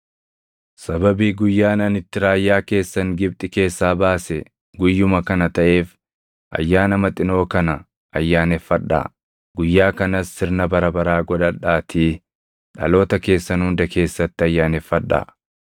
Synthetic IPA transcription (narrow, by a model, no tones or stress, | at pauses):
sɐbɐbiːɡʊjːaːnɐnɪt̪ːɪɾaːjːaːke̞ːsːɐŋɡɪb̚t̪ʼɪke̞ːsːaːbaːsɛ | ɡʊjːʊmɐkɐnɐt̪ɐʔe̞ːf | ʔɐ̰jːaːnɐmɐt̪ʼɪno̞ːkɐnɐ | ʔɐjːaːnɛfːɐᶑːa̰ː | ɡʊjːaːkɐnɐsːɪɾnɐbɐɾɐbɐɾaːɡɔᶑɐᶑaːt̪ʰiː | ᶑɐ̰lo̞ːt̪ɐke̞ːsːɐnhʊnd̪ɐke̞ːsːɐt̪ːɪɐjːaːnɛfːɐᶑːa̰ː